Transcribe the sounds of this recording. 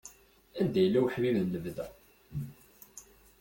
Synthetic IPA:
ænd̪æjəlːæwħmimnləvðæ

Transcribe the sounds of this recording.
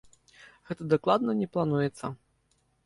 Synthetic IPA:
ɣɛt̪ɐd̪aklˠad̪nɐnʲɛplˠanujɛt̪sːɐ

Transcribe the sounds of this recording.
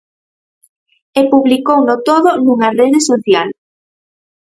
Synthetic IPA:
epuβlikownot̪oðonuŋɐreðesoθjal

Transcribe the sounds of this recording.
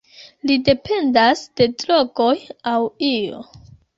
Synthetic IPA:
lide̞pʰe̞ndasd̥e̞dɾo̞ɡo̞jawio̰

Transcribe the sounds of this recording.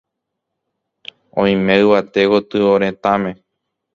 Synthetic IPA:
õ̰ĩmẽɨʋat̪ekot̪ɨoɾẽ̞t̪ãmẽ̞

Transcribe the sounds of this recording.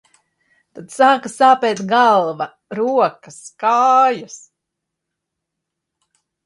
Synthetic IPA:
t̪ad̪̥saːkasaːpɛːt̪ɡalˠvɐ | ɾuɔkɐskaːjas

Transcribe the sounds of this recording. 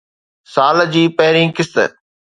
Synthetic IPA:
saːld͡ʑiːpɛɦɾĩːkɪst̪ə̰

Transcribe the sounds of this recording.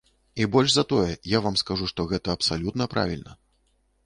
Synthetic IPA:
ibɔlʲʐzɐt̪ɔjɛjavamskaʐuʂt̪ɔɣɛt̪ɐːpsalʲut̪nɐpɾʔa̰vʲilʲnɐ

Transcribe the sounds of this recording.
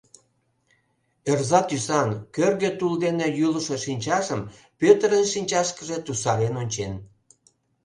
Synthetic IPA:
erzɑt̪ysɑnkørɣet̪uld̪enejyləʃe̽ʃinʲt͡ɕɑʒəm | pøt̪əɾənʃinʲt͡ɕɑʃkəʒe̽t̪usɑɾenonʲt͡ɕen

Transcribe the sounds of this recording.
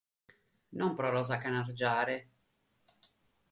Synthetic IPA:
nɔmpɾɔɾɔzakːanard͡ʒaːɾe

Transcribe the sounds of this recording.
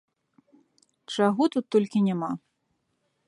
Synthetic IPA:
t͡ʂaɣɔt̪ut̪ːɔlʲkʲinʲama

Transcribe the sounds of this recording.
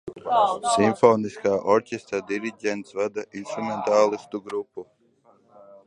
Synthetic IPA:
siɱfɔːniskaːʔɔɾcʲɛst̪ad̪iɾiɟʲɛnt̪svad̪aʔinst̪ɾument̪aːlˠist̪uɡɾupːu

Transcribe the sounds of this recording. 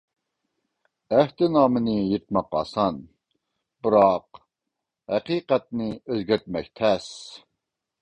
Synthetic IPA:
æht̪ʰɪnɑːmɨnɨjet̪̚mɑqɑ̰ːsɑn | bɨɾɑq | ɦæqiːqɛt̪̚nɪøzɡʲæɾt̪̚mɛk̚ʲt̪ʰɛs

